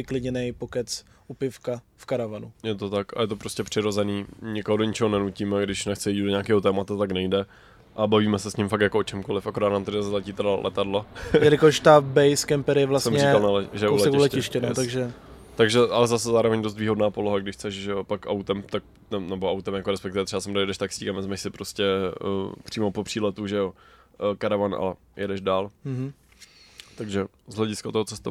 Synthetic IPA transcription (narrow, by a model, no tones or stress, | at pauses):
vɪklɪɲɛnɛjpokɛt͡s | ʔupɪfkafkaɾavanujɛt̪ot̪akʔa̰jɛt̪opɾo̞scɛpr̥ɪɾo̞zɛniːɲɪkoɦodoɲɪt͡ʃɛɦonɛnuciːmɛɡdɪʃnɛxt͡sɛjiːddoɲaːkɛːɦo̞t̪ɛːmat̪at̪aknɛjdɛ | ʔabaviːmɛsɛsɲɪmfak̪̚jakoot͡ʃɛmko̞lɪfʔakoɾaːd̪naːmt̪ɛdazlɛciːt̪ɛdalʔɛ̰t̪adlojɛlɪkoʃt̪abɛjskɛmpɛɾɪjɛvlassɛmɲmɲɛialnalɛʒɛjɛʔulsɛɛkulɛɪʃcɛnot̪aɡʒɛ | t̪aɡʒɛʔalɛzasɛzaːɾo̞vɛɲdos̬t̪viːɦo̞dnaːpoloɦaɡdɪʃxt͡sɛʃʒɛjopakʔa̰wt̪ɛmt̪ak̚ | nɛnɛboawt̪ɛmjakoɾɛspɛk̚t̪ɪvɛt̪rɛbasɛmɡdojɛdɛʃt̪aksiːkamvɛzmɛʃsɪpɾoscɛ | pr̥iːmopopr̥iːlɛt̪uʒɛjo | kaɾavanʔa̰lɛ | jʔɛdɛʒdaːl | t̪aɡʒɛ | zɦlɛɟɪskat̪oɦot͡sɛst̪o